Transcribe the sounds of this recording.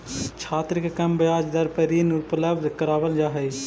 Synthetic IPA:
t͡ʃʰaːt̪ɾəkekɐmbɐjaːd͡ʒd̪ɐɾpəɾiːnʊpləbd̪kɐɾaːʋəld͡ʒaːɦɛː

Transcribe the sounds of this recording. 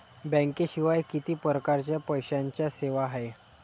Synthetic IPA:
bɛ̃ŋkeɕiʋajkit̪iːpəɾəkaɾt͡ɕjapəjɕaɲt͡ɕjaseʋaɦae

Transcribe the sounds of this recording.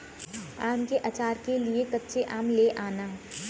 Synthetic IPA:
aːmkeʔɐt͡ʃaːɾkeliekɐtːʃʰeʔaːmleʔaːnaː

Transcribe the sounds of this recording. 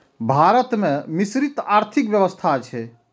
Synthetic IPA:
bʱaɾət̪mẽmisɾit̪aɾt̪ʰikbjəβəst̪ʰat͡ʃʰɛ

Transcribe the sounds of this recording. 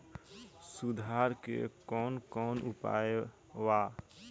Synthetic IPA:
sud̪ʱaɾkḛkɔːnkɔːnupa̰e | wa

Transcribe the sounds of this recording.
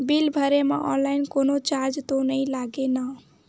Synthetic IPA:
bilbʱəɾemeʔɔ̰nlaɪnkonot͡ʃaɾd͡ʒt̪onəilaɡena

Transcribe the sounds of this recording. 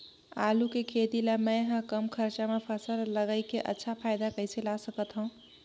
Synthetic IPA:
alukekʰet̪ilamə̃jɦə̃kəmkʰəɾt͡ʃamepʰəsəlləɡaɪkeʔə̰tːʃʰapʰajd̪akəjselasəkət̪ɦə̃ũ

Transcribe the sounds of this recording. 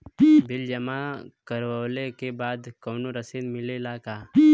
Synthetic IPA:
bɪld͡ʒɐmakɐɾwəːlekebaːd̪koːnoɾɐsiːnmɪlelaːkaː

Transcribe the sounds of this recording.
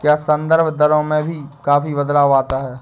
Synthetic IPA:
kjaːsɐ̃nd̪əɾbʱd̪ɐɾõmẽbʱikaːfibəd̪laːaːt̪aɦɛː

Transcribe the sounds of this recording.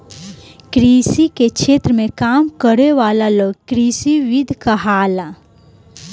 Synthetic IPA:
kɾisikekʃʰet̪ɾəmekamkəɾeʋalaloɡkɾisiʋid̪ʱkəɦala

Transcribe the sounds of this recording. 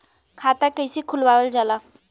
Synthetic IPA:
kʰat̪akəjsiːkʰulʋaʋəld͡zala

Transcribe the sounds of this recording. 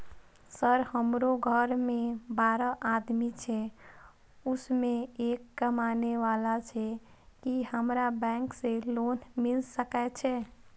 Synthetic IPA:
səɾhəmɾoɡʱəɾmẽbaɾəʔad̪mit͡ʃʰɛ | usmẽekːəmaneʋalat͡ʃʰɛ | kihəmɾabɛ̃ŋkselonmilsəkɛt͡ʃʰɛ

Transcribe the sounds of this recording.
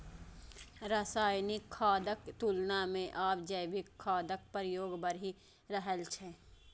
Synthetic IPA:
ɾasaːjnɪkʰːaːd̪əkt̪uːlnamẽʔaːp̚d͡ʒəʋɪkʰːaːd̪ək̚pəɾjoːɡbəɾi | ɾəɦəlt͡ʃʰɛː

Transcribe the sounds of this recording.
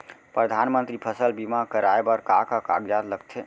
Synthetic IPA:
pɾəd̪ʱanmənt̪ɾipʰəsəlbimakəɾaebəɾkakaka̰ɡjad̪ləkt̪ʰe

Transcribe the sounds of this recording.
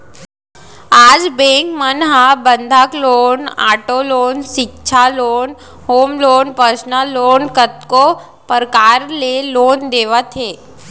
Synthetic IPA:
aːd͡zbẽkmənɦabənd̪ʱakloːnaːʈolonʃɪkt͡ʃʰaloːn | hoːmloːnpəɾsnaloːnkət̪̚ko | pəɾkaɾleloːnd̪eːʋət̪ɦe

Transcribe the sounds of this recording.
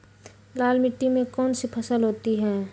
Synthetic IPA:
laːlmɪʈːimẽkɔːnsipʰɐsəlɦoːt̪iɦɛː

